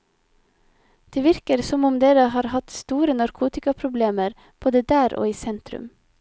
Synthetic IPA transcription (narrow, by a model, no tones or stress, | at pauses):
d̪̥eːʋɪɾkəɾsɔmʊmd̪eːɾəhɑːɾhɑt̪st̪uːɾənɑɾkʰuːt̪ɪkɑpʰɾʊbleːməɾ | b̥oːd̪əd̪æːɾʔo̰ːiːsɛnt̪ɾʉ̰m